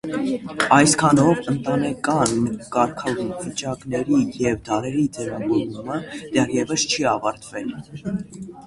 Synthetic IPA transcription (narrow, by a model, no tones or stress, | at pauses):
ɑjskʰɑnɔvənt̪ɑnɛkɑnkɑɾkʰɑvit͡ʃɑknɛɾijɛvd̪ɑɾɛɾid͡zɛvɑvɔɾuməd̪̥ɛrjɛvəst͡ʃʰiɑvɑɾt̪vɛl